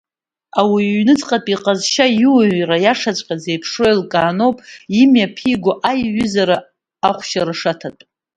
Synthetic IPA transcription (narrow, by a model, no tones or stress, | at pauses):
awiɥnɨt͡sʼqʼatʼiqʼazʃajuwɥrajaʂat͡ɕʷʼqʲʼad͡zejpʰʂo̞jilkʼaːnopʼimjapʰiɡʷoʔajɥʏzaɾa | aχʷʃaɾaʂatʰatʼ